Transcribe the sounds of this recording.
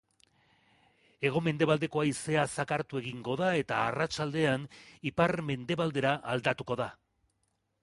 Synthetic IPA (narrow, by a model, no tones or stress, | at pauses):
e̞ɣ̞o̞me̞nd̪e̞βald̪e̞ko̞aise̞asakaɾt̪ue̞ɣiŋɡo̞ðae̞t̪aːrat͡ʃald̪e̞anipaɾme̞nd̪e̞βald̪e̞ɾaʔald̪at̪uko̞ða